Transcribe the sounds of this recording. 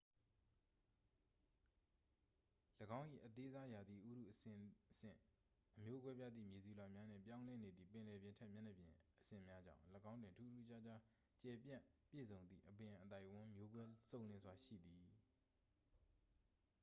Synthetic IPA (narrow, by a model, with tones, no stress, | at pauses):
ləɡã˦ʊ̃ʔḭ˦˨ʔət̪e˦za˦ja˨d̪ði˨ʔu˦dṵ˦˨ʔəɪəsɪ̰̃˦˨ | ʔəmjo˦ɡwɛ˦bja˦d̪ðḭ˦˨mje˨zu˨la˨mja˦n̥ɪ̰̃˦˨mpjã˦ʊ̃lɛ˦˨ne˨d̪ði˦˨pɪ̃˨lɛ˨bjɪ̃˨ntʰɛ˦ʔmjɛ˦˨nə˨bjɪ̃˨ʔəsɪ̰̃˨mja˦d͡ʑã̰˦˨ʊ̃ləɡã˦ʊ̃ndwɪ̃˨ntʰu˦˨tu˦˨t͡ɕa˦˨d͡ʑa˦ | t͡ɕɛ˨pjã̰˦˨pjḛ˦˨zõ˨ʊ̃nd̪ðḭ˦˨ʔəbɪ̃˨ʔət̪a˦ɪʔwʊ̃˦mjo˦ɡwɛ˦sõ˦˨ʊ̃nlɪ̃˨zwa˨ʃḭ˦˨d̪i˨